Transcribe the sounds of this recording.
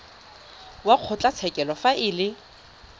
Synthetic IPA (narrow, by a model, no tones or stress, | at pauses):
waq͡χʰʊt͡ɬʼat͡sʰɛkʼɛlɔfaʔɪlɪ